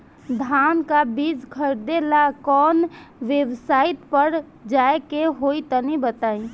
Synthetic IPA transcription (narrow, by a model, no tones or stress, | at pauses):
d̪ʱaːnkabiːd͡ʒkʰəɾd̪elakɔːnʋjəwsaːɪt̪pəɾ | d͡ʒaːekeɦoːit̪ənibət̪aːĩ